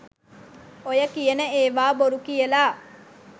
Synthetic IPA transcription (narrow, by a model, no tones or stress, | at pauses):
ojɐkijenəeːʋaːboɾukijelaː